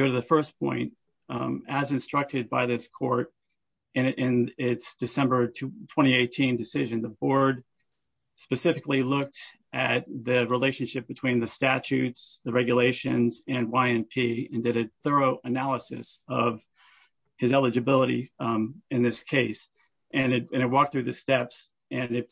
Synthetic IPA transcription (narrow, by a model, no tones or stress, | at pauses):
oʊɾɨðɨfɜ˞sp̚ʰɔ̰̃ɪ̃nt̚ | ɨzɨ̃nstɹ̥ʌk̚tɨd̚baɪðɪskʰɔɹɾ | ɨ̃nɪ̃nɪtsd̥ɨsɛ̃mbə˞tʰw̥ɛ̃ɾ̃ieɪtʰĩndɨsɪʒɨ̃nðəbɔɹd̚ | spɨsɪfɨklilʊk̚t | ʔɨt̪̚ðɨɹileɪʃɨ̃nʃɪp̚b̥ɨtʰw̥ĩnðɨstæt͡ʃʉtsðɨɹɛɡjɨleɪʃɨ̰̃nzɨ̃nwaɪɨ̃npʰiɨ̃ndɨɾɨθɜ˞oʊʔɨnælˠəsɨ̰sʌv̥ | ɨzɛlˠəd͡ʒɨbɪlˠəɾḭ | ɨ̃nðɪskʰeɪs | ʔɨ̃nɨt̚ɨ̃ñɨt̚wɔk̚θɹʉðɨstɛps | ɨ̃nɨt̚